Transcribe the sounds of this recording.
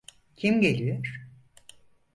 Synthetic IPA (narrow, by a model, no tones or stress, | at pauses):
cʰimɟe̞lʲijoɾ̥